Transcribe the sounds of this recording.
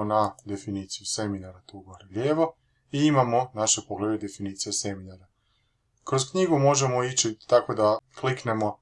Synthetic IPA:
nad̪e̞finiːt̪sijuse̞minaɾat̪uɡoɾeʎeːʋo | iimamo̞naʃe̞poɡled̪ed̪e̞finiːt̪sijase̞minaɾa | kɾoskɲiɡumo̞ʒemo̞it͡ɕit̪ako̞d̪aklikne̞mo̞

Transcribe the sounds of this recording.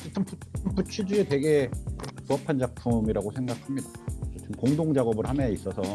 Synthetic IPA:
t͡ɕʰɯt͈ʰɯmpuɯmput͡ɕʰid͡ʑuete̞ɡe̞puʌpʰand͡ʑapʰumiɾaɡosʰeŋɡakʰamɲidat͡ɕʰotʰɯmkoŋdoŋd͡ʑaɡʌbɯɭhamais͈ʌsʰʌ

